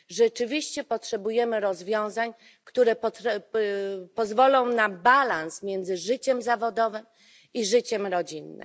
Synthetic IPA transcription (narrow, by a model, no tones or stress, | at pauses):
ʐɛt͡ʂɘvʲiɕt͡ɕɛpɔtʂɛbujɛmɘɾɔzvʲjɔ̃w̃zaɲ | kt̪uɾɛpɔɛ | pɔzvɔlɔ̃w̃nabalansmʲjɛnd̪zɘʐɘt͡ɕɛmzavɔd̪ɔvɘm | iʐɘt͡ɕɛmɾɔd͡ʑinːɘ̰